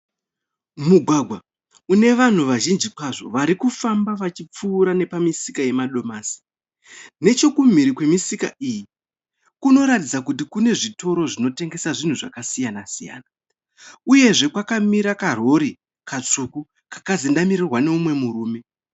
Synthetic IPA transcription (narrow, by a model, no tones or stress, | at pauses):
muɡʱwaɡʱwa | une̞ʋan̤uʋaʒind͡ʒikwaʐo̞̰ʋaɾikufambaʋat͡ʃip͡fuːɾane̞pamisikaje̞maɗo̞maːsi̥ | ne̞t͡ʃo̞kum̤iɾikwe̞misika̰ʔiːji | kuno̞ɾatid͡zakutikune̞ʐito̞ɾo̞ʐino̞te̞ŋɡe̞saʐin̤uʐa̰kasijanasija̰ːna | uje̞ʐe̞kwakamiɾakaro̞ɾi | kat͡suku | kakazindamiɾirwane̞umwe̞muɾuːme̞